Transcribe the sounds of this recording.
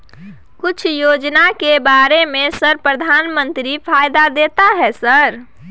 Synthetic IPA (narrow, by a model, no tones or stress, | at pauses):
kʊt͡ʃʰjod͡ʒnakebaɾemẽsəɾpɾəd̪ʱanmə̃nt̪ɾipʰajd̪ad̪et̪aɦɛsəɾ